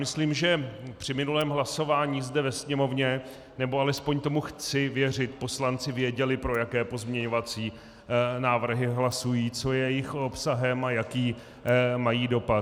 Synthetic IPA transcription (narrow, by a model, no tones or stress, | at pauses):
mɪsliːmʒɛpr̥ɪmɪnulɛːmɦlaso̞vaːɲiːzdɛvɛsɲɛmo̞vɲɛ | nɛboalɛspo̞ɲt̪o̞muxt͡sɪvjɛr̝ɪt̪po̞slant͡sɪvɪjɛɟɛlɪpɾojakɛːpo̞zmɲɛɲo̞vat͡siː | naːvr̩ɦɪɦlasujiːt͡so̞jɛjɪxo̞psaɦɛmajakiː | majiːdo̞pat̪